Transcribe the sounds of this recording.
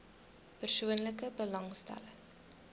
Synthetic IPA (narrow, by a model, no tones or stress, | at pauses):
pərsuənləkəbəlɐŋstæ̰ləŋ